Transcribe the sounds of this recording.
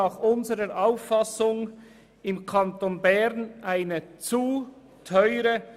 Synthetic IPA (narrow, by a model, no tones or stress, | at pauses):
ɑːχʔʊnzəʁəɾʔaʊfːɑsʊŋ | ɪmkʰɑntonbɛʁnʔaɪnət͡su | tʰɔʏɾə